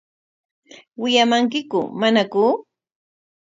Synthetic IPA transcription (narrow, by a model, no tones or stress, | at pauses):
wɪʎamaŋk̬ɪkʊ̰manakʊ